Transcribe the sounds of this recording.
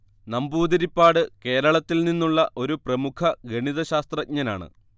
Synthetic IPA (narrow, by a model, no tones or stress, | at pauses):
nɐmbuːd̪iɾipːaːɽɨke̞ːɾɐɭɐt̪ːilninːuɭːɐʔo̞ɾuprɐmukʰɐɡeɳiðɐɕaːst̪rɐk̚ɲɐna̰ːɳɨ̰